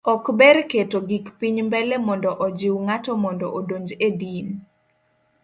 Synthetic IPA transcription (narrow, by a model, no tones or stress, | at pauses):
ɔkbɛɾketoɡikpiɲmbɛlɛmɔndɔʔɔd͡ʒɪwŋatɔmɔndɔʔodoɲd͡ʒedin